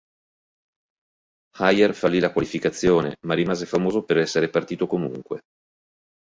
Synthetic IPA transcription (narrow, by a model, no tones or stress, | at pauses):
hajerfalːilakwalifikat̪sːjoːnḛmarːimaːzefamoːzopeɾɛsːeɾepart̪iːt̪okomuŋkwe